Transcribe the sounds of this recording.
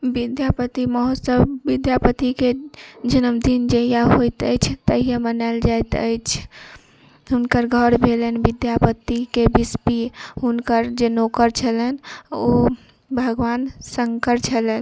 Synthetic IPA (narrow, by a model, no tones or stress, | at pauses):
bid̪japət̪iməɦosəbːid̪japət̪iked͡ʒənəmd̪ind͡ʒəɦijaɦojt̪ə̰jt͡ʃʰt̪əɦijemənald͡ʒajt̪ə̰jt͡ʃʰ | ɦunkəɾɡʱəɾbʱelənbid̪japət̪ikebispiɦunkəɾd͡ʒenokəɾt͡ʃʰələno | bʱəɡʋansəŋkəɾt͡ʃʰələn